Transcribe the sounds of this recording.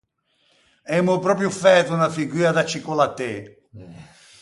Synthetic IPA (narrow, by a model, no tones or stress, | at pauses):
ɛmupɾɔːp̬ɾjufɛt̪unafiɡiːad̪at͡ʃːikɔlat̪ːe